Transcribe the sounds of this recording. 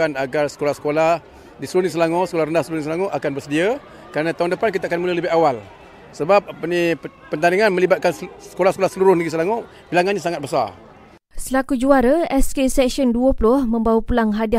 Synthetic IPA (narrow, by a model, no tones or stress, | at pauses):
anaɡarsə̥kolahsə̥kolah | disɾunis̬əlaŋɔsə̥kolahɾəndahsəlunis̬laŋoʔakanbərsədiə | kəɾanãt̪aundəpankit̪akanmulələbɪɦawal | səbap̚apəni | pənt̪aniŋanmə̃libat̪̚kansə̥kolahsə̥kolahsəluɾʊsniɡisəlaŋɔ | bilaŋanɲasaŋat̪̚bəsa̰r | səlakud͡ʒuaɾəɛskesɛksiɔnduəpulʊhmə̃mbawapulaŋɦadia